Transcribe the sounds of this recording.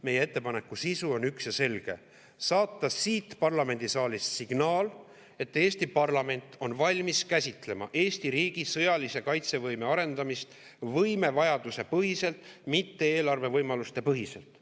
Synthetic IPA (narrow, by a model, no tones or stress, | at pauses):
me̞jeet̪ːe̞pɑne̞kːˑusisuo̞nyksjɑse̞lɡ̥e̞̰ | sɑːt̪ːɑsiːt̪ːpɑrlɑme̞nd̪isɑːlʲissiɡ̥nɑːl | e̞t̪ːe̞ːsʲt̪ipɑrlɑme̞nʲt̪ːˑo̞nvɑlʲmiskæsʲit̪ˑle̞mɑ̰ʔe̞ːsʲt̪iɾiːɡ̥isɤjɑlise̞kɑjt̪se̞vɤjme̞ɑɾe̞nd̪ɑmist̪ | vɤjme̞vɑjɑd̪use̞pɤɦise̞lt̪ˑmit̪ːe̞e̞ːlɑrve̞vɤjmɑlust̪e̞pɤɦise̞lt̪ːˑ